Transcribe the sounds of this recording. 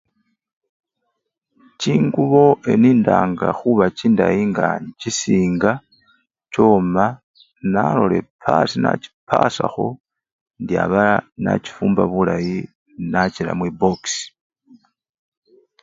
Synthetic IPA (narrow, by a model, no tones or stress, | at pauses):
ciːŋɡuβo̞ʔe̞niːndaːŋɡaxuβaciːndajiŋɡaɲcisiːŋɡa | co̞ːma | nalo̞le̞pʰasina̰ci̥pʰasaxo̞ | ndja̰βana̰ci̥fuːmbaβulaji | nacila̰mwibo̞ksi̥